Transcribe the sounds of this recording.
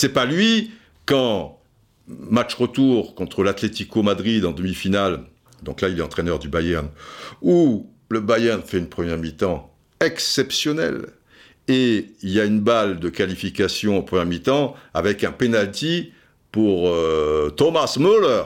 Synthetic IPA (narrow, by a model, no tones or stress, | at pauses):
sɛpalɥi | kɑ̃ | mat͡ʃʁət̪uʁkɔ̃t̪χəlat̪let̪ikomad̪ʁid̪ɑ̃d̪əmifinal | d̪ɔ̃klailɛɑ̃t̪χɛnœʁd̪ybajɛʁnu | ləbajɛʁnfɛynpχəmjɛʁmit̪ɑ̃ | ɛksɛpsjɔnɛ̰l | eiljaynbald̪əkalifikasjɔ̃ɑ̃pχəmjɛʁmit̪ɑ̃avɛkɛ̃penalt̪i | puʁøt̪ɔmasmølœʁ